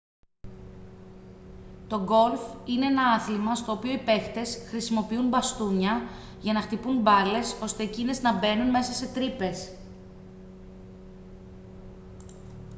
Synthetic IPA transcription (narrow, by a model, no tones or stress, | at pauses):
t̪o̞ɡo̞lfine̞enɐɐθlimɐst̪o̞ːpio̞ipe̞kt̪e̞sxɾisimo̞piunbɐst̪uɲɐ | ʝɐnɐxt̪ipunbɐle̞so̞st̪e̞ːcine̞znɐbe̞nunme̞sɐse̞t̪ɾipe̞s